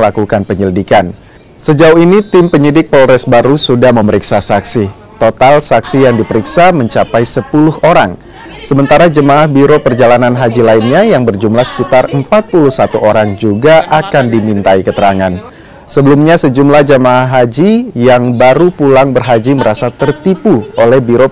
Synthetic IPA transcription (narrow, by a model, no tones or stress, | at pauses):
lakukanpəɲəlidikan | səd͡ʒauɦinit̪ɪmpəɲidɪk̚pɔlɾɛsbaɾusudahməməɾiksasaksi | t̪ot̪alsaksijaŋdipəɾiksaməɲt͡ʃapajsəpulʊhoɾaŋ | səmənt̪aɾad͡ʒəmaːhbiɾopərd͡ʒalananɦad͡ʒilainɲajaŋbərd͡ʒumlahsə̥kit̪arəmpat̪̚puluhsat̪uʔoɾaŋd͡ʒuɡaʔakandimint̪aikət̪əɾaŋan | səbəlumɲasəd͡ʒumlahd͡ʒəmaːɦad͡ʒijaŋbaɾupulaŋbərɦad͡ʒiməɾasat̪ərt̪ipuolɛhbiɾo